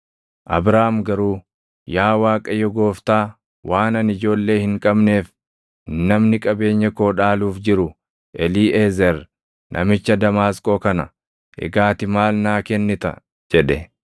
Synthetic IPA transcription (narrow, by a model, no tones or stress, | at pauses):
ʔɐbɾaːmɡɐɾuː | jaːwaːkʼɐjɔɡo̞ːft̪aː | waːnɐnɪd͡ʒo̞ːlːe̞ːhɪŋkʼɐbne̞ːf | nɐmnɪkʼɐbe̞ːɲːɛkoːᶑaːluːfd͡ʒɪɾʊ | ʔɛliːʔeːzɛɾ | nʔɐ̰mɪt͡ʃːɐd̪ɐmaːskʼo̞ːkɐnɐ̰ | ʔɛ̰ɡaːt̪ɪmaːlnaːkɛnːɪt̪ɐ̰ | d͡ʒɛᶑɛ